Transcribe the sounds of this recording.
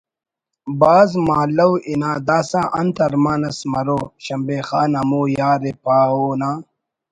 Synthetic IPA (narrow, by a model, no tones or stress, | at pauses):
baːzmaːlɐwʔinaːd̪aːsãːʔɐnt̪ɐɾmaːnɐsmɐɾoːɕɐmbeːxaːnɐmuːjaːɾepaːoːnaː